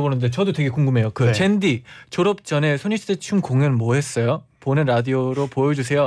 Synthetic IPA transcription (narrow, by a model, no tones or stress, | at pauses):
bonɯnde̞t͡ɕʌdotwe̞ɡe̞kuŋɡɯme̞jokɯendit͡ɕoɾʌp̚t͡ɕʌne̞sʰoɲisʰdet͡ɕʰumkoŋjɯnmwʌɦe̞s͈ʌjoponɯnɾadioɾopojʌd͡ʑus̬ʰe̞jo